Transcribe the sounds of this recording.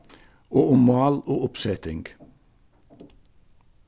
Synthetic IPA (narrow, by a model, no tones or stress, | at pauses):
oːʔʊmmɑːloːʊpsɛt̪ɪŋɡ